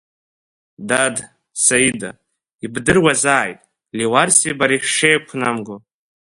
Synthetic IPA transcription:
dad | saida̰ | ibdɨrwazaːjtʼ | liwarsibaɾiħʂejkʷʰnamɡo

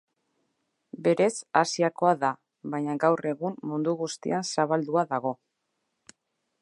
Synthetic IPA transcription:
be̞ɾe̞sasiako̞aða | βajɲaɡawre̞ɣummund̪uɣust̪ḭansaβald̪uaðaɣ̞o̞

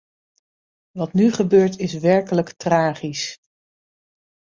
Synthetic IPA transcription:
ʋɑtnyχəbøːɹtɪs̬ʋɛɹkələktraːχis

